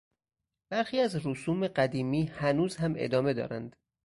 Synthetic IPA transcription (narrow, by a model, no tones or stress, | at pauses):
b̥æɾxiːæzɾusuːme̞ɢæd̪iːmiːhænuːzhæmḛd̪ɒːme̞d̪ɒ̰ːɾænd̪